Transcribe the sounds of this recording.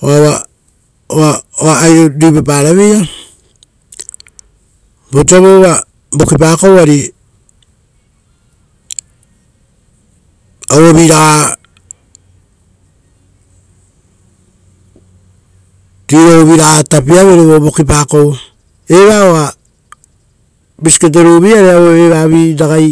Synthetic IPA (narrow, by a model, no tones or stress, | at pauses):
oawa | oaoaːjɾoɾipepaɾaβeja | bot͡ʃaβoβa | bokip̬akowaɾi | owoβiɾaa | tiɾoβiɾaatapiaβeɾoβobokip̬akow | e̞βaoa | bisi̥ket̬eɾuβiaɾeaβoeβaβiɾaɡaj